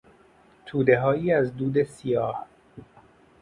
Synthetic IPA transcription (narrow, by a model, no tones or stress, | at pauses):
t̪ʰuːd̪e̞ɦɒːjiːæzd̪uːd̪e̞sijɒːh